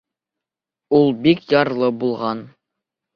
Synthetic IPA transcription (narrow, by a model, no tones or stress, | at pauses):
ulˠbikjɑɾlˠɤbulˠʁɑn